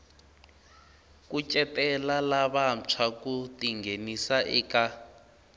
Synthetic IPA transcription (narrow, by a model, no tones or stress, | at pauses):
k̬ʼut͡ʃʼɛtʼɛlalaβam̩t͡ʃʰwakutʼiŋɡʱenisaʔiːka